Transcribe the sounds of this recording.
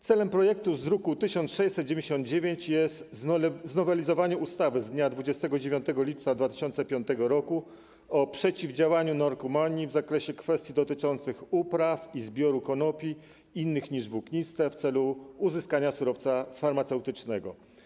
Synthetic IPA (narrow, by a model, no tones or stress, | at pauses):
t̪sɛlɛmpɾɔjɛk̚t̪uzɾukut̪ɘɕɔnt̪ʂɛjsɛt̪̚ːd͡ʑevʲeɲd͡ʑeɕɔ̃nd̪̚d͡ʑevʲjeɲt͡ɕjɛst̪znɔvɛlʲizɔvaɲɛust̪avɘzd̪ɲad̪vud͡ʑɛst̪ɛɡɔd͡ʑevʲjɔ̃nt̪ɛɡɔlʲip̚t̪sad̪vat̪ɘ̥ɕɔntsɛpʲjɔnt̪ɛɡɔɾɔku | ɔpʂɛt͡ɕivd͡ʑawaɲunɔɾkɔmaɲivzakɾɛɕɛkfɛst̪ʲjid̪ɔt̪ɘt͡ʂɔnt̪sɘxupɾafizbʲjɔɾukɔnɔpʲi | inːɘxɲiʐvukɲist̪ɛft̪sɛluːzɘskaɲasuɾɔft̪safaɾmat̪sɛwt̪ɘt͡ʂnɛɡɔ̰